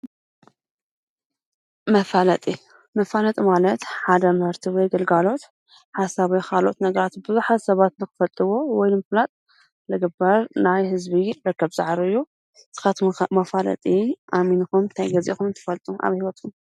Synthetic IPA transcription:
mɐfalɐt̪ʼi | mɐfalɐt̪ʼimalɐt̪ħad̪ɐmɨhɨɾt̪ʰiwɔjɡɐlɡalo̞t̪ | ħasaβijkʰalʔot̪nɐɡɐɾat̪bɨzuħazsɐβat̪nɨxɨ̥fɐlt̪ʼɨwo̞wɔjnɨmɐflat̪ʼ | lɐɡɨbɐɾnajhɨzbiɾɨkʰːɐβza̰ʕɾɨjːu | t̪ʰɨ̥xɐt̪mɐfalɐ̰t̪ʼiʔaminɨxumnt̪ʰajɡɐzʔḭxumɨnt̪ʰɨ̥fɐlt̪ʼumʔa̰βhiwɔt̪kʰum

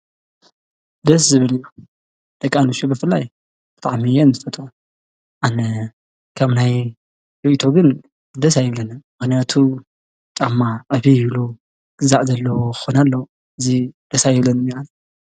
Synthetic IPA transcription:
d̪ɐszɨβɨlɨju | d̪̥ɐkʼːanuʃubɨfɨlːaj | b̥ɨt̪ʼaʕmijɛnzɨfɐt̪ʼu | ʔanɐ | kʰaβnaj | ɾiʔt̪ʰo̞ɡɨn | d̪ɐsajɪβlɐnɨmɨxnijat̪ʰu | t͡ʃʼamːaʕɨβijiβlu | ɡ̥ɨzaʕzɐlːɐwokɨ̥xonalːɐw | ɨzid̪̥ɐsajɪβlɐnɨmian

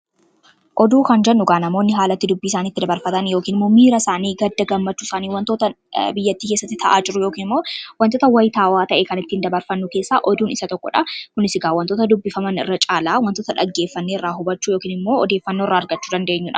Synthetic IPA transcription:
ʔɔd̪uːkɐnd͡ʒɛnːʊɡaːnɐmo̞ːnːɪɦaːlɐt̪ːɪd̪ʊbːiːsaːniːt̪ːɪd̪ɐbɐɾfɐt̪ɐnjo̞ːkiːnɪmːo̞ːmiːɾɐsaːniːɡɐd̪ːɐɡɐmːɐt͡ʃːuːsaːniːwɐnt̪o̞ːt̪ɐ | bɪjːɐt̪ːiːkeːsːɐt̪ːɪt̪ʰɐʔaːd͡ʒɪɾʊjo̞ːkiːnɪmːo̞ːwɐnt̪oːt̪ɐwɐjt̪aːwaːt̪ɐʔeːkɐnɪt̪ːɪhɪnd̪ɐbɐɾfɐnːʊke̞ːsːaːʔɔd̪uːnɪsɐt̪ɔkːɔ̰ᶑɐkʊnɪsɪɡaːwɐnt̪oːt̪ɐd̪ʊbːɪfɐmɐnɪ̰rːɐt͡ʃʼaːlaːwɐnt̪oːt̪ɐᶑɐ̰ɡːeːfːɐnːeɪrːaːɦʊbɐt͡ʃːuːjoːkiːnɪmːo̞ːɔd̪e̞ːfːɐnːoːɪrːaɐɾɡɐt͡ʃːuːd̪ɐnd̪eːɲːʊᶑɐ

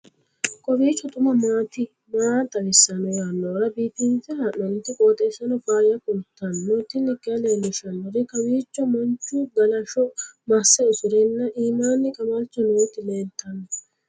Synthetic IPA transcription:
kʼɔbiːt͡ʃːɔt̪ʼʊmɐmaːt̪ɪ | maːt̪ɐwɪsːɐnɔjaːnːoːɾɐbiːfɪntɛhɐʔɔnt̪ːɪkʼoːt̪ʼɛsːɐnɔfaːjɐkʊnt̪ːɐnːɔt̪ːɪnːɪkʼːɪɐleːlːɪʃɐnːɔɾɪkɐwiːt͡ʃːɔmɔnt͡ʃːʊɡɐlɐʃɔmɐsːɛʊsʊɾɛnːɐʔiːmaːnːɪkʼɐmɐlt͡ʃːɔnɔt̪ːɪleːnt̪ːɐnːɔ

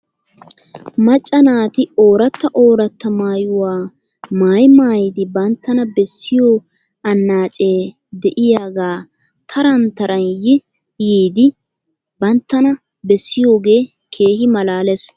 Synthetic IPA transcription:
mɐt͡ʃʼːɐnaːt̪ɪoːɾɐt̪ːɐʔo̞ːɾɐt̪ːɐmaːjʊwaː | maːjmaːjd̪ɪbɐnt̪ːɐnɐbɛsːɪjoː | ɐnːaːt͡ʃʼe̞ː | d̪ɛʔɪjaːɡaː | t̪ʰɐɾɐnt̪ɐɾɐnjɪ | jiːd̪ɪ | bɐnt̪ːɐnɐ | bɛsːɪjo̞ːɡe̞ː | kʰe̞ːhɪmɐlaːlɛs

